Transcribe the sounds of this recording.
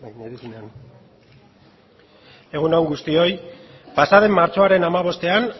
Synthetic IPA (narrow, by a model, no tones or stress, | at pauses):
ðisinan | e̞ɣ̞unawŋɡust̪io̞j | pasaðe̞mːaɾt͡so̞aɾe̞namaβ̞o̞st̪e̞an